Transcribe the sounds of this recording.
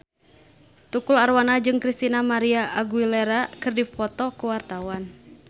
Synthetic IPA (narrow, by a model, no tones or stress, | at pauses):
t̪ukularwanad͡ʒɨŋkɾist̪inamaɾiaʔaɡuilɛɾakɨrdifɔt̪ɔkuwart̪awan